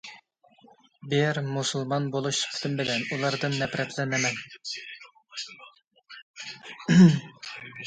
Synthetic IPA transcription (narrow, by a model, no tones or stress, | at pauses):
bɪɾmusulˠmɑnbolˠuʃsy̥pʰɪ̥t̪ʰɪmbɪlɛnulˠɑɾd̪ɨnːɛpɾʔɛt̪ʰlɛnɪmɛn